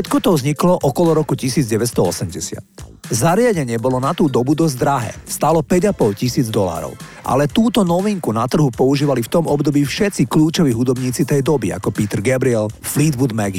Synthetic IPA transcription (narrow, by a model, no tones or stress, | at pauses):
ʃɛt̪kɔt̪ɔʊzɲiklɔʔɔkɔlɔɾɔkucisiːd͡zɟɛʋɛst̪ɔɔsɛmɟɛsɪa̰t̪zaɾɪaɟɛɲɪɛbɔlɔnat̪uːd̪ɔbud̪ɔzd̪ɾaɦɛ̰ːst̪aːlɔpɛɟapɔlcisiːd͡zd̪ɔla̰ːɾɔ̰ʊʔa̰lɛt̪uːt̪ɔnɔʋiŋkunat̪r̩ɦupɔuʒiːʋalift̪ɔmɔbd̪ɔbiːfʃɛt̪t͡sikluːt͡ʃɔʋiːɦud̪ɔbɲiːt͡sit̪ɛjd̪ɔbia̰kɔpiːt̪ɛɾɡabɾiɛlfliːd̪ʋud̪mɛɡi